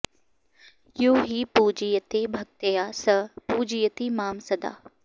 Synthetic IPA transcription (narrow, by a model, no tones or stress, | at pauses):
juːɦiːpuːd͡ʒijət̪eːbʱɐk̚t̪ɐjaːsɐpuːd͡ʒijət̪iːmaːmsɐd̪a̰ː